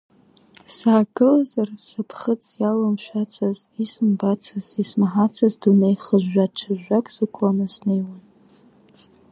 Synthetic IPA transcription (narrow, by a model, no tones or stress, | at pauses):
saːɡɨlazarsapʰχət͡sʼjalamʃʷᶣat͡sʰazisɨmbat͡sʰazismaħat͡sʰazdunejχəʒᶣːaʈ͡ʂʰaʒʷᶣːakʼzɨkʷʰanasne̞jwan